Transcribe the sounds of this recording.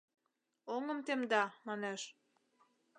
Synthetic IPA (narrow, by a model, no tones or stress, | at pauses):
oŋəmt̪emd̪ɑmɑneʃ